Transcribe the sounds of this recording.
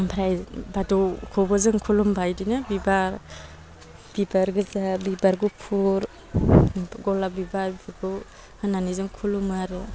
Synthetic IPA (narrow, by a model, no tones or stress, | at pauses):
bʰɾajbadɔwkʰɔbɔzɯŋkʰulumbajdinɯbibaɾ | b̥ibaɾɡɯzabibaɾɡupʰuɾ | ɡɔlabibaɾbʰɯɡu | hɯnanizɯŋkʰulumaɾɯ